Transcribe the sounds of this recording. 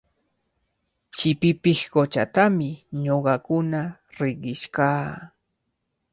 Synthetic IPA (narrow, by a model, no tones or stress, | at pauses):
t͡ʃɪpɪpɪhkot͡ʃa̰t̪amɪɲoɢɑkʊnaɾɪɢɪʃkaː